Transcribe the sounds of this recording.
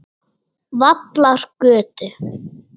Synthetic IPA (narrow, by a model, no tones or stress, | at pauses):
vat̪laɾ̥kœːt̪ʏ